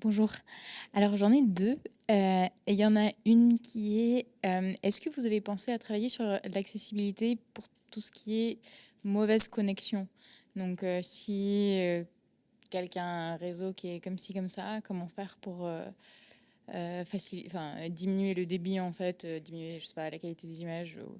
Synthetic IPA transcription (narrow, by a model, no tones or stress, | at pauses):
b̥ɔ̃ʒuːʁalɔʁʒɑ̃nɛd̪ø | øejɑ̃naynkʲʰiɛømɛskəvuzavepɑ̃seat̪χavajesyʁlaksesibilit̪epuʁ | t̪usə̥kʲʰiɛmɔvɛzkɔnɛksjɔ̃d̪ɔ̃køsiø | kʲɛlkʲɛ̃ʁezokʲiɛkɔmsikɔmsakɔmɑ̃fɛʁpuʁø | fasil̃fɛ̃d̪iminɥeləd̪ebiɑ̃fɛt̪ød̪iminɥeʒəse̥palakalit̪ed̪ezimaʒṵ